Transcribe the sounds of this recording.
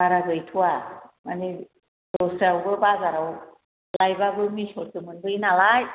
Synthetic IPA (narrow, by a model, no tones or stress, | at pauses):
aɾaɡɯjtʰuwamani | dɔsɾawɡɯbaɡaɾaw | lajbabɯmisɔɾsʰɯmɯnbɯinalaj